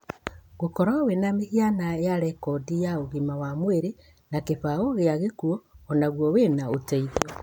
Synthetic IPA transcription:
ɣokɔɾawenamehianaejaɾɛkɔdijaoɣimawamweɾe | nakeβaoɣeaɣekuɔːnaɣwɔwenaoteiðiɔ

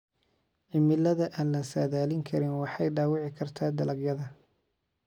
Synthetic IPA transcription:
ʕɪmɪlɐðɐʔaːnlɐsaːðaːlɪŋkʰɐɾɪnwɑħɑjɖaːwɑʕɪkʰɐrt̪ʰaːd̪ɐlɐɡjɐðɐ

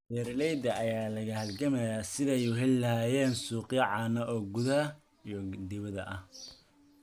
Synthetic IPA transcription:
bɛːɾlɛjd̪ɐɐjaːlɐɣɐhɐlɡɐmɐjaːsɪðɛjʊɦɛllɐhaːjɛːnsuːqɪjɐʕɑːnɐʔɔːɡʊðɐɐ | ijɔd̪ɪβɐðɐ̰ʔɐh

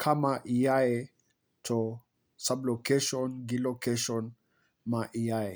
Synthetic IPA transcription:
kʰamaʔijae | tʰɔ | sablokeʃɔnɡilokeʃɔn | maʔijae

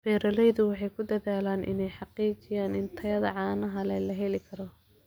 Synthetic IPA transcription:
bɛːɾɐlɛjðʊwɑħɑjkʰʊd̪ɐðaːlaːnʔɪ̰nɛjħɑqiːt͡ʃɪjaːnɪnt̪ʰɐjɐðɐ̰ʕɑːnɐɦɐlɛlɐɦɛlɪkʰɐɾɔ

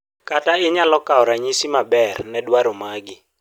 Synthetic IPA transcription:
kataɪɲalɔkaɔɾaɲisimabɛrnɛdwaɾomaɡɪ

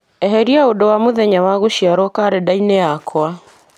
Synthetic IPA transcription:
ɛɦɛɾiaodɔwamoðɛɲawaɣoʃiaɾɔkaɾɛdainɛakwa

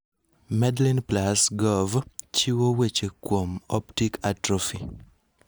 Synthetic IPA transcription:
mɛdlinplasɡɔvt͡ʃiwowet͡ʃekwomɔptikʰatɾofi

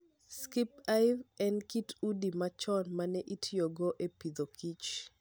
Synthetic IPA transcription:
skipaɪvɛnkitudimat͡ʃɔnmanɛʔitʰɪjoɡoʔepid̪okʰit͡ʃ

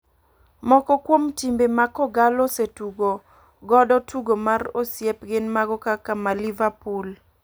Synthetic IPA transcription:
mɔkɔkwomtimbemakɔɡalɔsetuɡo | ɡɔdɔtʰuɡomarosjɛpɡɪnmaɡɔkakamalivapul

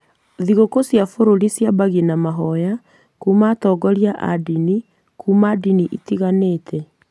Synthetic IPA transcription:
ðiɣokosjafoɾoɾisjabaɣinamaɦɔja | kuːmaːtɔɡɔɾjaʔa̰dini | kuːmadiniʔḭtiɣaneːtʰɛ

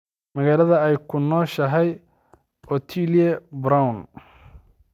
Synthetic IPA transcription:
mɐɣaːlɐðɐɛjkʰʊnɔːʃɐɦɛj | ʔɔt̪ʰiljɛbɾawn

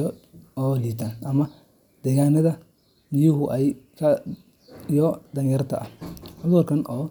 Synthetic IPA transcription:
ɔːliːt̪ʰaːnɐmɐ | d̪̥ɛːɣaːnɐðɐ | nɪjʊɦʊʔɛjkʰɐ | jɔd̪ɐŋjɛɾt̪ʰɐ̰ʔɐhʔʊðʊːrkʰɐnʔɔː

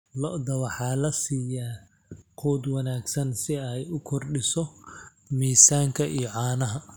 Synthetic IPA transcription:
lɔʔd̪ɐwɑħɑːlɐsiːjaː | qʰuːd̪wɑnaːɡsɐnsɪɛjʊkʰɔrɖɪsɔ | miːsaːŋkʰɐʔijɔʕɑːnɐɦɐ

